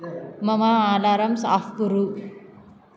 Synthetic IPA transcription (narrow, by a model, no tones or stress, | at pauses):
mɐmaaːlaɾɐmsafkuɾu